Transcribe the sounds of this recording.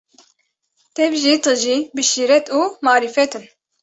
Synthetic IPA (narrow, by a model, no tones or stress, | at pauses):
t̪ɛvʒit̪ʰɨʒibɨʃiːɾɛt̪uːmɑːɾifɛt̪ʰɨn